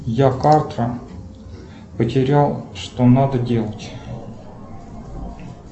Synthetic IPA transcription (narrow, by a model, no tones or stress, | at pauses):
jakart̪ɾə | pətʲɪɾʲalˠʂt̪onad̪ədʲe̞lˠətʲ